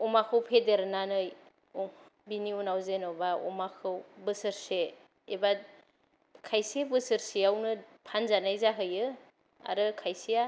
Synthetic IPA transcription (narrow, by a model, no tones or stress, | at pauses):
ɔmakʰɯwpʰedeɾnanɯj | biniunawzenobaɔ̰makʰɯwbɯsɯɾseː | ba | kʰajsebɯsɯɾsiawnɯpʰanzanajzaɦɯjɯ | a̰ɾɯkʰajsija